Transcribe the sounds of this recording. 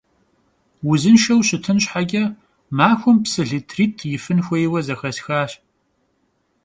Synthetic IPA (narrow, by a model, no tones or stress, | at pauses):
wʊzɨnʃɐwɕɪtʰɨnɕħaɡʲɐ | maːxʷʊmpsɨɮitʰriːtʰjɪfɨnxʷɔjwɐzɐxɐsxaːɕ